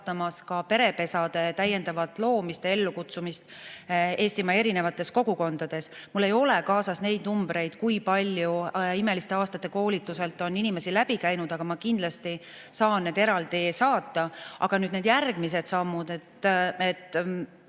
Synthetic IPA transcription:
t̪ɑmɑskɑpe̞ɾe̞pe̞sɑd̪e̞t̪æjːe̞nd̪ɑvɑt̪ːˑlo̞ːmist̪ee̞lːukut̪sumist̪ | eːst̪imɑe̞ɾine̞vɑt̪ːˑe̞sko̞ɡ̥uko̞nd̪̥ɑd̪̥e̞smulːe̞jo̞lekɑːsɑsne̞jd̪numbɾe̞jd̪̥kujpɑlʲjuime̞list̪eɑːst̪ɑt̪ːˑe̞ko̞ːlit̪ːˑuse̞lt̪ːˑo̞ninime̞silæb̥ikæjnud̪̥ɑɡ̥ɑmɑkind̪̥lɑst̪i | sɑːnnːed̪e̞ɾɑld̪isɑːt̪ːˑɑɑ̰ɡ̥ɑnyːd̪neːd̪jærɡ̥mise̞d̪̥sɑmːud̪e̞t̪et̪ː

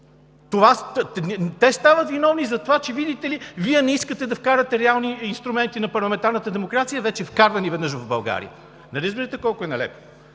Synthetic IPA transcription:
t̪ova | t̪ɛst̪avɐt̪vinɔvnizɐt̪ovat͡ʃɛvid̪it̪ɛliviɛnɛiskət̪ɛd̪ɐfkaɾɐt̪ɛɾɛalˠniinst̪ɾumɛnt̪inɐpɐɾlˠɐmɛnt̪aɾnət̪əd̪ɛmokɾat̪sijəvɛt͡ʃɛfkaɾvɐnivɛd̪nɤʃ̬vɐvbɐlˠɡa̰ɾḭjə̰ | nɐɾəzbiɾət̪ɛkɔlˠkʊɛnɐlɛ̰po̥

